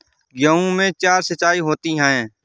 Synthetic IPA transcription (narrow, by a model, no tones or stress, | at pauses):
jəũːmẽt͡ʃaːɾsət͡ʃaːiɦoːt̪iːɦɛ̃ː